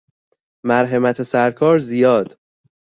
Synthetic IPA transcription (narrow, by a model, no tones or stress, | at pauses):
mæɾɦemæt̪ʰesæɾkʰɒːɾzijɒːd̪̥